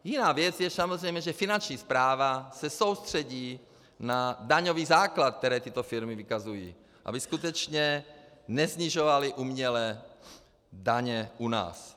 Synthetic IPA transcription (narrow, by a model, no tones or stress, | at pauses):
jinaːvjɛd͡zjɛsamozrɛjmɲɛʒɛfinant͡ʃɲiːspɾaːvasɛsowst̪r̝̥ɛɟiː | nad̪aɲoviːzaːklat̪̚k̚t̪ɛɾɛːt̪it̪ofiɾmivikazujḭː | ʔa̰biskut̪ɛt͡ʃɲɛnɛzɲiʒovaliʔumɲɛlɛː | d̪aɲɛʔuna̰ːs